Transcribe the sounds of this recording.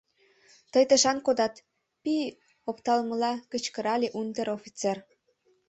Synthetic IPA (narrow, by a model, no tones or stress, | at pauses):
t̪əjt̪əʃɑnkod̪ɑt̪ | pi | opt̪ɑlməlɑkət͡ɕkəɾɑlʲeʔund̪əɾofʲit͡ser